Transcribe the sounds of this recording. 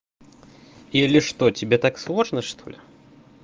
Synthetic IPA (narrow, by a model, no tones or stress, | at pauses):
iɐlʲɛʂt̪ɔt͡sʲibʲɛt̪akslˠɔʐnɐʂt̪ʰɔlʲɛ